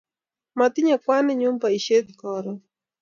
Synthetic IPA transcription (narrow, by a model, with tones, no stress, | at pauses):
ma˨t̪ɪ˦ɲa˨kwa˦nɛ˦ɲu˦mba˨i˨ʃe˦t̪̚kɔɾɔ